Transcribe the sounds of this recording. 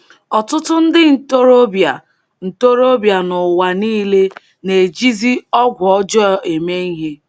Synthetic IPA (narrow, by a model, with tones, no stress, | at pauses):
ɔ˨tʊ˦tʊ˦n̩˦dɪ˦n̩˨to˦ɾo˦bja˨ | n̩˨to˦ɾo˦bja˨nʊ˨wa˨niː˦le˦ | ne˨d͡ʒi˦zi˦ɔ˦ɡʷɔ˦d͡ʒɔ˦e˨me˦i˦ɦe˦